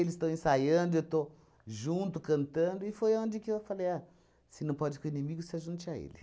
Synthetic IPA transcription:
elɪst̪ɐ̃w̃ẽsajɐ̃nd̪ʊewt̪o | ʒũnt̪ʊkɐ̃nt̪ɐ̃nd̪ʊɪfojaõd͡ʒɪkɪewfaleja | sɪnɐ̃w̃pɔd͡ʒɪkõinimiɡʊsaʒũnt͡ʃɪaḛlɪ

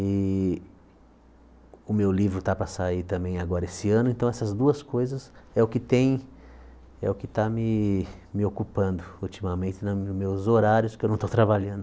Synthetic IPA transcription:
ɪ | ʊmewlivɾʊt̪apɾɐsait̪ɐ̃mbẽj̃aɡɔɾɐesɪɐ̃nʊẽnt̪ɐ̃w̃ɛsɐzd̪uɐskojzɐsɛʊkɪt̪ẽj̃ | ɛ̰ʊkɪt̪amɪmɪokupɐ̃nd̪ʊut͡ʃ̪imɐmẽt̪ɪnɐʊmewzoɾaɾjʊskɪewnɐ̃w̃t̪ot̪ɾabaʎɐ̃nd̪ʊ

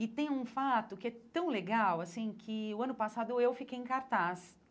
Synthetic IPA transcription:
ɪt̪ẽj̃ũfat̪ʊkɪɛt̪ɐ̃w̃leɡawasĩkʰɪʊɐ̃nʊpasad̪ʊewfikejẽŋkaɾt̪as

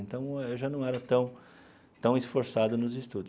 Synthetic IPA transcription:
ẽnt̪ɐ̃w̃ewʒanɐ̃w̃ɛɾɐt̪ɐ̃w̃ | t̪ɐ̃w̃ɪsfoɾsad̪ʊnʊzist̪ud̪ʊ

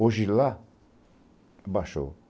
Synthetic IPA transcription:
oʒila | baʃo̰

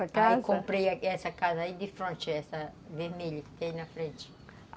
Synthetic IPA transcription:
ɐkakõmpɾejɐɛsɐkazɐaid̪ɪfɾõnt͡ʃɪɛsɐveɾmeʎɐkɪ̥t̪ẽj̃nɐfɾẽnt͡ʃɪ̥

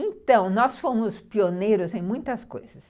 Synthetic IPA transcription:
ẽnt̪ɐ̃w̃nɔsfõmʊspionejɾʊzẽj̃mũj̃t̪ɐsko̰jz̥ɐs

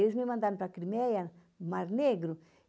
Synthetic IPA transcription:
uzmemand̪anpɾakɾimɛjan | maɾneɡɾu

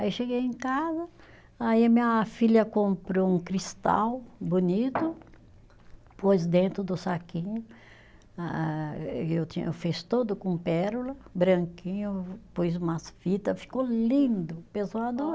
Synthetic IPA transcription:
aiʃeɡejẽkazɐ | aiɐmĩɲɐfiljɐkõmpɾoũkɾist̪a̰wbonit̪ʊ | pojzd̪ẽnt̪ɾʊd̪ʊsakĩɲʊ | a | ewt̪ḭ̃ewfist̪od̪ʊkõpɛɾulɐbɾɐ̃ŋkĩɲʊpujzũmɐsfit̪ɐfi̥kolĩnd̪ʊpesoad̪o

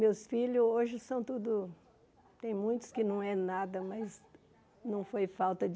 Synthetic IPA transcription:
mewsfiʎʊoʒɪsɐ̃w̃t̪ud̪ʊ | t̪ẽj̃mũj̃t̪ʊ̥skɪnɐ̃w̃ɛnad̪ɐmɐz | nɐ̃w̃fojfawt̪ɐd͡ʒ

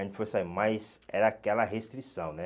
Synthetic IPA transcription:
ẽt̪fosamajzɛɾɐakɛlɐɦest̪ɾisɐ̃w̃nɛ

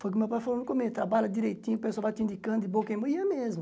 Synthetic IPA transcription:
fojk̬ɪmewpajfalonũkomet̪ɾabalɐd̪iɾejt̪ĩɲpesavat̪ĩnd̪ikɐ̃d̪d̪ɪbokẽmoĩɐmezmʊ

